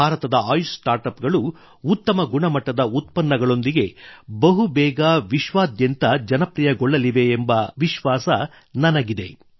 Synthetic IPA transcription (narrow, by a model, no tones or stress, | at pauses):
bʱaːɾɐt̪ɐd̪ɐaːjsʈaːɾʈɐpɡɐɭuː | t̪ːɐmɐɡuɳɐmɐʈːɐd̪ɐut̪̚pɐnːɐɡɐɭo̞nd̪iɡe̞bɐɦubɛːɡaʋiʃʋaːd̪jɐnt̪ɐd͡ʒɐnɐpɾijɐɡɔɭːɐliʋe̞ːmbɐʋiʃʋaːsɐ | nɐnɐɡid̪e̞̰